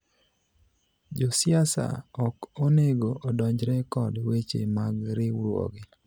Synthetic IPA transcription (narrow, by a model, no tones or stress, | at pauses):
d͡ʒɔsɪasa̰ɔkoneɡoʔodɔɲd͡ʒɾɛkɔdwet͡ʃḛmaɡɾɪwɾwo̰ɡɪ